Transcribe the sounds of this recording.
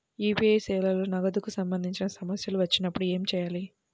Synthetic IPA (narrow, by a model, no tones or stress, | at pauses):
iːpiesɛːlɐloːnɐɡɐd̪ukusɐmbɐnd̪ʱiɲt͡ʃinɐsɐmɐsjɐluʋɐt͡ʃːinɐpːuɽue̞ːmit͡ʃɛːjaːli